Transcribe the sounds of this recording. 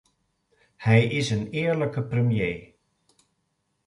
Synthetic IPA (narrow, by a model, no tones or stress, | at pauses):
hɛjʔɪsənɪːɹləkəprəmjeː